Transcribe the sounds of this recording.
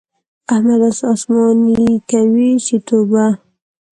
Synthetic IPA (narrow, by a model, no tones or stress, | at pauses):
ahmad̪asɑsmɑniikawiʃit̪oba